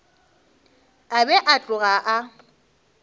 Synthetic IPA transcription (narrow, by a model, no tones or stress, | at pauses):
abɛʔat͡ɬʼʊɣaʔa